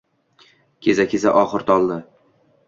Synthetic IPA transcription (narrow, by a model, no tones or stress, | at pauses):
kʲʰe̞zakʲʰeza̰ʔɒχɨɾt̪ʰɒlˠd̪ɪ